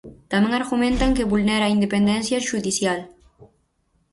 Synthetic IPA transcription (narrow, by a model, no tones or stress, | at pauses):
t̪amẽŋaɾɣumẽnt̪aŋkeβulneɾaind̪epend̪ensjaʃuðisjal